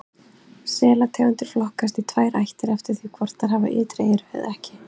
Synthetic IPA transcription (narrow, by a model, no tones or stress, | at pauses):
sɛːlat̪ʰaːwant̪ɪɾ̥flɔhkast̪it̪ʰvaːjɾajht̪ɪɾɛft̪ɪɾ̥θvikʰvɔɾ̥t̪θaɾhava̰ʔɪːt̪ɾeːjɪɾɛ̰ðɛhcɪ̥